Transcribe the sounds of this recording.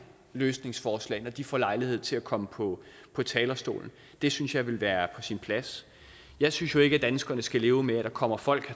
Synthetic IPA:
løːsne̝ŋsfɒːslɛ̰ɪnɒd̥ifɒ̰ːlɑ̈ɪlihe̝ð̞̰ˠt͡sʰe̝lækʰɒ̽məpʰɒ̽ | pʰɒ̽t͡sʰɛːlɐsd̥o̝̰ːln̩ | d̥e̝synsjɑ̈ɪʋe̝lʋæːɐpʰɒ̽sinpʰlæs | jɑ̈ɪsynsjo̝e̝ɡ̥æd̥ænsɡ̥ɐnəsɡ̥æle̝ːʊmeæd̥ɑ̈kʰɒ̽m̰ɐfɒ̽l̰ɡ̥

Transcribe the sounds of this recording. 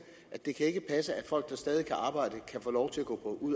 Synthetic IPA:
ʔæd̥e̝kʰæe̝ɡ̥əpʰæsəæd̥fɒ̽l̰ɡ̥̚d̥ɑ̈sd̥ɛːð̞ˠikʰæʔɑ̈ːb̥ɑ̈ɪ̰d̥əkʰæfɔ̰ːlɒʊt͡sʰe̝læɡ̥ɔ̰̽ːpʰɒ̽ʔuð̰ˠ

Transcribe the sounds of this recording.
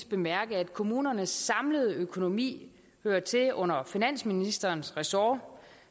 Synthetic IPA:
sb̥e̝mæɐɡ̥əæd̥̚kʰo̝muːnɐnəsːɑ̈mləð̞ˠəøkʰo̝no̝mḭː | høːɐt͡sʰe̝ʔɔ̽n̰ɐfinæn̰sminisd̥ɐːnsʁɛsɒː

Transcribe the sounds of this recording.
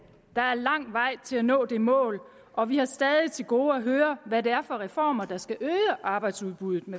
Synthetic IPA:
d̥ɑ̈æɐlɑ̈ŋ̰ʋɑ̈ɪ̰t͡sʰe̝lænɔ̰̽ːd̥e̝mɔ̰̽ːl | ʔɒ̽ʋihɑ̈sd̥ɛːðˠit͡sʰe̝lɡ̥o̝ːæɦøːɐʋædeæɐfɒ̽ʁɛfɒ̰ːmɐd̥ɑ̈sɡ̥æʔøːəʔɑ̈ːb̥ɑ̈ɪd̥suðˠb̥uðˠð̩ˠme

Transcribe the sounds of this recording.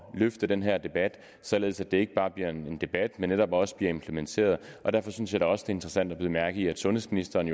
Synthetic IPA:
løfd̥ɐd̥enɦeɐ̰d̥e̝b̥æd̥ | sɒ̽le̝ːð̞̩ˠsæd̥e̝e̝ɡ̥əb̥ɑ̈ːb̥liɐ̰ne̝nd̥e̝b̥æd̥menːeɾɒ̽b̥ɒ̽sə̥b̥liɐe̝mpʰlement͡sʰe̝̰ːɐð̞ˠʔɒ̽d̥æɐ̰fɒ̽synəsjɑɾ̥e̝ɒ̽səd̥ee̝nd̥ʁɐsæn̰d̥æb̥liːð̩mæɐɡ̥ð̩ˠiæd̥sɔ̽nhḛsminisd̥ɐːn

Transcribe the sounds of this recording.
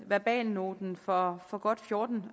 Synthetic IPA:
ʋæb̥ɛ̰ːnːo̝ːd̥n̩fɒ̽fɒ̽ɡ̥ɒ̽d̥fjo̝ɐd̥n̩

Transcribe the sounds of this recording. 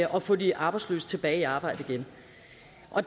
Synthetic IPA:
ʔɒ̽fɔ̽ːdiʔɑ̈ːb̥ɪ̥slø̰ːs̚t͡sʰe̝b̥ɛːɪiɑ̈ːb̥ɑ̈ɪd̥əiɡ̥en | ʔɒ̽

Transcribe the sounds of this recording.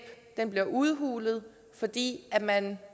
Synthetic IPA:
b̥d̥enb̥liɐʔuð̞ˠɦṵːlð̞̩ˠ | fɒ̽d̥ḭːæmæn

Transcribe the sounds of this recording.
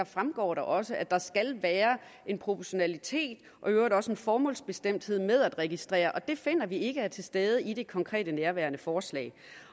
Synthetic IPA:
ɐfʁamɡ̥ɒ̰ːɾɑʔɒ̽səʔæd̥ɑ̈sɡ̥ælʋæːɐ | e̝npʰʁo̝pʰɒɕo̝nælit͡sʰe̝̰ːd̥ | ʔɒ̽øʊɐɾɒ̽səe̝nfɒːmɔ̰ːlsb̥e̝sd̥em̰d̥he̝ð̞̰ˠmeð̞ˠæd̥ʁɛɡ̥isd̥ʁɛ̰ːɐʔɒ̽d̥e̝fe̝n̰ɐʋie̝ɡ̥əæɐt͡sʰe̝lsd̥eːð̞ˠəid̥e̝kʰɒ̽ŋkʰʁɛ̰ːd̥ənæɐʋæːɐnəfɒːslɛ̰ːɪ

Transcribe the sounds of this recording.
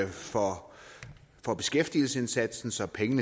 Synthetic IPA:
fɒ | fɒ̽b̥e̝sɡ̥efd̥il̩səe̝nsæd̥sn̩sɒ̽pʰeŋənə

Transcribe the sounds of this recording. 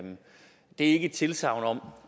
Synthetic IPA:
d̥e̝ɐe̝ɡ̥ət͡sʰe̝lsɑ̈ʊ̰nɒ̽m̰

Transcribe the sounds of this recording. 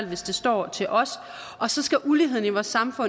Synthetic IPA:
l̰ʋe̝sd̥e̝sd̥ɒ̰ːt͡sʰe̝lʔɒ̽s | ʔɒ̽sɒ̽sɡ̥æʔuliɦe̝ð̞̰ˠn̩iʋɒːsːɑ̈mfɔ̽n

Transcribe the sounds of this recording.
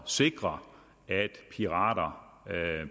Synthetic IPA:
se̝ɡ̥ʁɐ | æd̥pʰiʁɑ̰̈ːɾɐ

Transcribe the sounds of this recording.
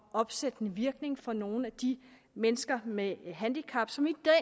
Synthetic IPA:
ɒ̽b̥sed̥nəʋiɐɡ̥ne̝ŋfɒ̽no̝ːn̩æd̥i | menəsɡ̥ɐmeɦænd̥ikʰɑ̈b̥sɒ̽mid̥ɛ

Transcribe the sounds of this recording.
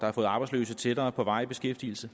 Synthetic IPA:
d̥ɑ̈hɑfɔ̽ːð̩ˠɑ̈b̥ɑ̈ɪslø̰ːsət͡sʰed̥ɐːpʰɒ̽ʋɑ̈ɪ̰ib̥e̝sɡ̥efd̥ḭːl̩sə

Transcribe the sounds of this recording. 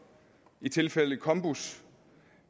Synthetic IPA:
it͡sʰe̝lfel̰əkʰɒ̽mb̥us

